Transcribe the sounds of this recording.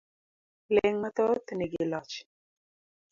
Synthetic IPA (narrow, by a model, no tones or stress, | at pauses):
leŋmat̪ɔt̪nɛɡilɔt͡ʃ